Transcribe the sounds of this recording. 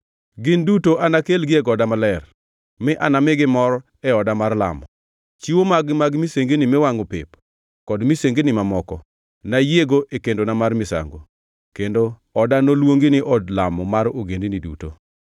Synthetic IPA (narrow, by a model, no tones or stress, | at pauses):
ɡɪndutoʔanakelɡɪeɡɔdamalɛr | mɪʔa̰namɪɡɪmɔɾɔ | ɛɔdamarla̰mɔ̰ | t͡ʃiwomaɡmaɡmiseŋɡinɪmɛwaŋopɪ̰p | kɔdmiseŋɡenɪmamɔkɔ | najeɡoʔekendonamarmɪsa̰ŋɡo̰ | kendo | ɔdanolwoŋɡinɪʔɔdlamɔmaɾoɡendinidṵto̰